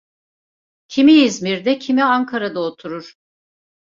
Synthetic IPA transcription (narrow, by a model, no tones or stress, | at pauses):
cʰimiizmiɾd̪ɛcʰimiaŋkʰaɾad̪aot̪ʰuɾuɾ̥